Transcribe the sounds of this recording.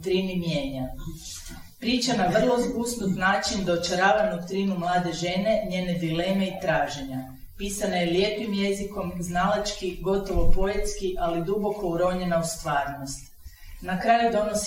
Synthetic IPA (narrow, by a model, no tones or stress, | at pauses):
t̪ɾinimje̞ːɲa | pɾiːt͡ʃanaʋr̩lˠo̞zɡusnut̪naːt͡ʃind̪oːt͡ʃaɾaːʋad̪ukt̪ɾiːnumlˠaːd̪e̞ʒe̞ːne̞ɲe̞ːne̞d̪ile̞me̞it̪ɾaːʒe̞ɲa | piːsanajeljeːpimje̞ziko̞mznalat͡ʃkiɡo̞t̪o̞ʋopo̞jet̪skiʔalid̪ubo̞ko̞uɾo̞ɲe̞naust̪ʋaːɾno̞st̪ | nakɾajud̪o̞nos